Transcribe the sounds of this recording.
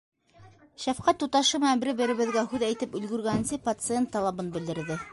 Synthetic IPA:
ʃæfqɑt̪ːut̪ɑʃɤmæbɘ̆ɾɘbɘ̆ɾɘ̆βɘ̆ðɡæhʉðæjt̪ɘpɵ̆lɡɵ̆ɾɡænɘ̆nsɘpɐt̪sɨent̪ːɑlˠɑbɤnbɘ̆ld̪ɘ̆ɾðɘ

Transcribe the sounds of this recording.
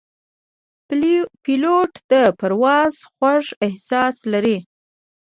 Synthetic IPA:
piloʈd̪əpaɾwɑz̥xwaʐɪhsɑslaɾi

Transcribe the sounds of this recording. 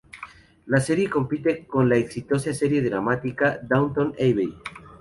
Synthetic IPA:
lase̞ɾje̞ko̞mpit̪e̞ko̞nlaeksit̪o̞saseɾje̞ðɾamat̪ikad̪awnt̪õnejβej

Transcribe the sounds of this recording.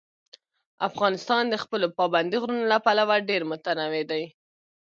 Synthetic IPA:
afɣɑnɪst̪ɑnd̪əxpəlopɑband̪iɣɾunolapalawaɖeɾmʊt̪anawed̪aj

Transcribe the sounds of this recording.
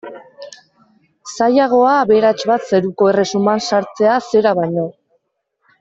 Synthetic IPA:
sajaɣ̞o̞aβe̞ɾat͡ʃβat̪se̞ɾuko̞e̞re̞sumansaɾt͡se̞ase̞ɾaβaɲo̞

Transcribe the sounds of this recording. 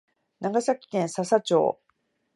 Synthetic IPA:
naɡasakʲi̥k̪ẽɰ̃sasat͡ɕo̰ː

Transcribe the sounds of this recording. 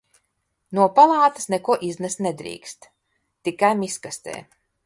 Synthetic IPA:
nuɔpalˠɑːt̪ḁsnɛkuɔʔiznɛst̪nɛd̪ɾḭːkst̪ | t̪ikajmiskast̪ḛː

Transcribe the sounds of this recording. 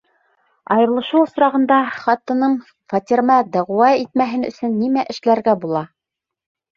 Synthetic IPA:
ɑjɤ̆ɾlˠɤ̆ʃuŏsɾɑʁɤ̆nd̪ɑχɑt̪ɤ̆nɤɴ | fɑt̪ʲiɾmɑd̪æʁwɑit̪̚mæɦɘnɵ̰̆sɵnːimæʔɘ̆ʃlæɾɡæbulˠɑ

